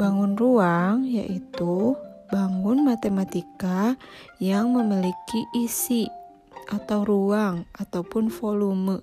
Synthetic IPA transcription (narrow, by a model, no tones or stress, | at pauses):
baŋunruaŋja̰ʔit̪ubaŋʊnmat̪emat̪ikajaŋməmilikiʔisi | ʔat̪awuɾuaŋʔat̪awpʊnfoluməʔ